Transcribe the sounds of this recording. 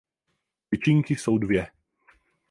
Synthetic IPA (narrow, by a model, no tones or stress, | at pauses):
ɪt͡ʃiŋkɪso̞wdvjɛ